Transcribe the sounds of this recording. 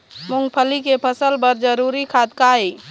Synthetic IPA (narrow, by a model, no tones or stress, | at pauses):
mʊŋɡpʰəlikepʰəsəlbəɾd͡ʒəɾuɾikʰad̪̚kaɦi